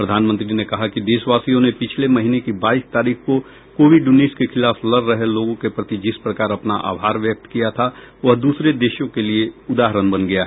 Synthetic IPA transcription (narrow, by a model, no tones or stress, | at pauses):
pɾəd̪ʱaːnmə̃nt̪ɾinekɐɦakid̪eːʃʋaːsijõnepɪt͡ʃʰlemɐɦinekibaːist̪aːɾiːxko | koːʋɪɖʊniːskexʰɪlaːflɐɾːɐɦeloːɡõkepɾɐt̪id͡ʒɪspɾɐkaːɾɐpnaʔa̰ːʋʱɦaːɾʋjək̚t̪kijat̪ʰa | ʋɐɦd̪uːsɾed̪eːʃjõkelieʊd̪aːɦɾənbɐnɡɐjaɦɛ